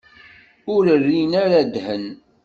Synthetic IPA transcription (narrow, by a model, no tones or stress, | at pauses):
ʊɾərːinaɾad̪hən